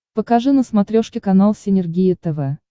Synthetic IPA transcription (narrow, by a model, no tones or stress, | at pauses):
pəkɐʐɨnəsmɐt̪ɾʲoʂkʲɪkɐnalˠsʲɪnʲɪrɡʲijət̪ɛvɛ